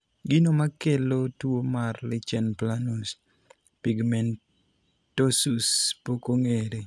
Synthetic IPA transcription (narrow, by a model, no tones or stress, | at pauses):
ɡɪnomakelotwomarlɪt͡ʃɛnplanus | piɡmɛn | tosuspokoŋeɾe